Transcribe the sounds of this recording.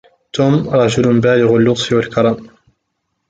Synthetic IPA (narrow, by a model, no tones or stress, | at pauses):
t̪uːmɾˤɑd͡ʒʊlnbaːlɪɣalːʊt̪ˤfɪwalkɑɾˤɑːm